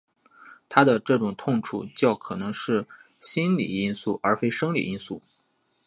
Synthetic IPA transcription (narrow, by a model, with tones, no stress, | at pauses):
t̪ʰa˥d̪ə˨ʈ͡ʂɤ˥˩ʈ͡ʂʊ˨˩ŋt̪ʰʊ˥˧ŋʈ͡ʂʰṵ˥˩t͡ɕjɑ˥˩ʊkʰɤ˨˩nɤ˧˥ŋʂɻ̩˥˩ | ɕi˥nlḭ˨˩i˥nsu˥˩ʔə˞˧˥fe˥ɪʂɤ˥ŋlḭ˨˩i˥nsu˥˩